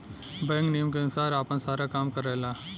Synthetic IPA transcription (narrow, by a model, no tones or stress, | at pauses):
bɛ̃ːŋknijəmk̬enʊsaːɾaːpənsaːɾakaːmkəɾɛlaː